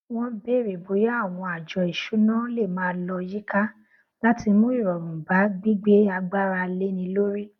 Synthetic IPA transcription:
w̃ɔ̃˦be˦˨ɾi˨bo˨˦ja˦a˦˨w̃ɔ̃˧a˨d͡ʒɔ˨i˨ʃu˨˦nã˦le˦˨mãː˦lɔ˧ji˦ka˦ | la˦ti˧mõ˦i˦˨ɾɔ˨mũ˨ba˨˦ɡ͡bi˦ɡ͡be˦a˧ɡ͡ba˦ɾa˧le˦nĩ˧lo˦ɾi˦

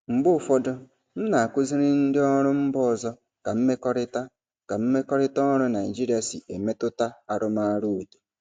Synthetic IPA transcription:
ŋ͡m̩˨ɡ͡bʊ˦˨fɔ˦dɔ˦ | m̩˦na˨a˨kʷʊ˦zi˦ɾɪ˦n̩˦dɪ˦ɔ˦ɾʊ˦m̩˦bɔ˦˨zɔ˦ | ka˨m̩˦me˦kɔ˦ɾɪ˦ta˦ | ka˨m̩˦me˦kɔ˦ɾɪ˦tɔ˦ɾʊ˦na˨ɪ˨d͡ʒi˦ɾi˦a˨sḭ˨e˨me˦tʊ˦ta˦a˨ɾʊ˦ma˦a˦ɾu˦˨de̥˨

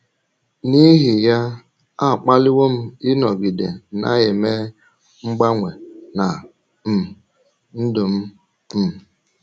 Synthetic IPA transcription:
ni˦ɦi˨ja˦ | a˦˨k͡pa˦lɪ˦wo˦m̩˦ɪ˦nɔ˨ɡ͡bi˨dḛ˨na̰˦je˨me˦ | ŋ͡m̩˦ɡ͡ba˦ŋʷe˨na˨ | m̩˨ | n̩˦dʊ˨m̩˦ | m̩˨

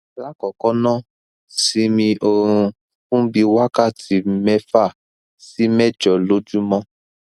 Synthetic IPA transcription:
la˦kɔ˨kɔ˦nã˦˨ | si˧mĩ˧o˧ɾũ˧ | fũ˦bi˧wa˦ka˦˨ti˧˦mɛ˦fa˦˨ | si˨˦mɛ˦˨d͡ʒɔ˨lo˦d͡ʒu˦mɔ̃˦

